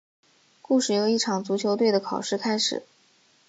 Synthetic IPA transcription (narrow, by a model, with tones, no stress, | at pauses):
ku˥˧ʂɻ̩˨˩jo˨˩ʊi˥˩ʈ͡ʂʰɑ˨˩ŋt͡su˧˥t͡ɕʰjo˧˥ʊt̪we˥˩ɪd̪ə˩kʰɑ˨˩ʊʂɻ̩˥˩kʰa˥ɪʂɻ̩̰˨˩˦